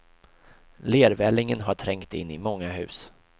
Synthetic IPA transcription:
leːɾvɛlːɪŋənɦaʈʰɾɛŋkt̪ɪ̰nːɪ̰mɔŋːaɦʉ̟̰ːs

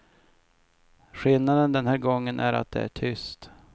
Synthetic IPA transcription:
ɧɪlnad̪ənd̪ɛnhæːɾɡɔŋːənʔæ̰ɾa̰t̪̚d̪ɛ̰æʈʰʏst̪

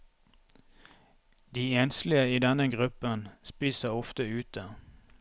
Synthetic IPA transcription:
d̪iːeːnslɪəiːd̪ɛnəɡʁʉpənspiːsəɔft̪əʉːt̪̚d̪æːʁ

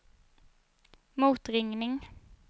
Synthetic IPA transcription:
muːt̪ʁɪŋnɪŋ

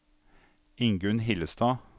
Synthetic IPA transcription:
ɪŋɡʉnhɪləst̪ɑː

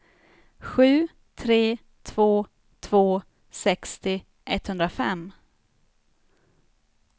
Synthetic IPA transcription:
ɧʉ̟ː | t̪ʰɾeː | t̪ʰv̥oː | t̪ʰv̥oː | sɛkst̪ɪ | ʔɛt̪hɵnd̪ɾafɛ̰mː

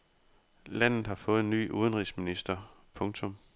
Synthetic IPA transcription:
læn̰ð̩ˠhɑ̈fɔ̽ːð̞̩ˠny̰ːʔuð̞ˠnʁisminisd̥ɐ | pʰɔ̽ŋt͡sʰɔ̽m

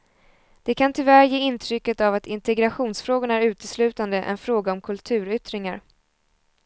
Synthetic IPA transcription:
d̪̥ɛkʰant̪ʰʏvæɾjeːɪnt̪ʰɾʏkːət̪avat̪ɪnt̪ɛɡɾaɧuːnsfɾoːɡʊɳæɾʉ̟ːt̪əslʉ̟ːt̪and̪əʔɛ̰nfɾoːɡaɔmkʰɵlt̪ʰʉ̟ːɾʏt̪ɾɪŋaɾ

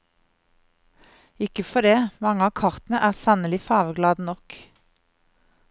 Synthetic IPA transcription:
ɪkəfɔd̪eːmɑŋəɑːkʰɑʁt̪nəʔæːʁsɑnəlɪfɑːʋəɡlɑːd̪nɔk

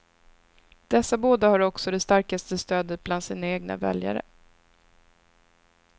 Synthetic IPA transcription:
d̪̥ɛsːaboːd̪ahaɾɔksɔd̪ɛst̪aɾkast̪əst̪øːd̪ət̪̚bland̪siːnaeːɡna̰vɛ̰lja̰ɾə̰

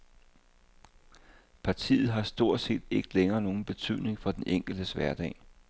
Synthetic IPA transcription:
pʰɑ̈t͡sʰḭːð̞̩ˠɦɑ̈sd̥o̝ɐ̰d̥se̝̰ːd̥eɡ̥ə̥leŋɐːno̝ːn̩b̥e̝t͡sʰy̰ð̰ˠne̝ŋfɒ̽d̥enʔeŋ̰ɡ̥l̩d̥əsʋæɐd̥ɛ̰ːɪ

